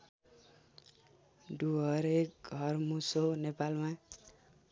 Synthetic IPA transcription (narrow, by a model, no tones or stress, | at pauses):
d̪uʌɾek̚ɡʱʌrmusonepalma